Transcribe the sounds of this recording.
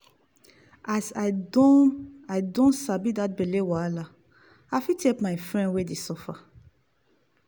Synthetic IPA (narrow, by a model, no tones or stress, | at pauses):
ʔasaɪdõnaɪdõntsabidat̚belewala | afitʰekmaɪfɹɛ̃ndwedesɔfa